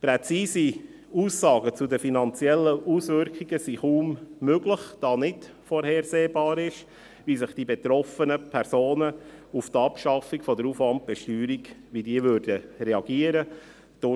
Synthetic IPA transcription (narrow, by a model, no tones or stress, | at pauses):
pɾɛt͡siːsi | uːsːɑːɡət͡sudəfinɑnt͡siɛlːəʔuːsʋʏɾkχiɡəsiχuːmːøɡləχd̥ɑːnɪt | fɔɾhɛːɾseːbɑːɾɪʃ | ʋisəχd̥ibɛt̪ɾɔfənəpʰɛɾsoːnəuft̪ɑpʃɑfikfɔdəɾufʋɑnt̚b̥ɛʃtyːɾikʋidiːəʋøɾdəɾɛɑɡ̥iəɾə | d̥ʊ